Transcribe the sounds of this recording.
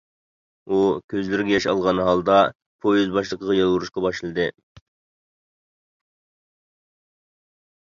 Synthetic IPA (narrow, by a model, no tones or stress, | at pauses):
ukʲʰøzlɪɾɡʲɛjɑʃɑ̰lˠʁɑnɦɑlˠd̪ɑ | pʰojyzbɑʃlˠəqʰəʁɑjɑlˠuɾuʃqɑbɑʃlˠɨd̪ɨ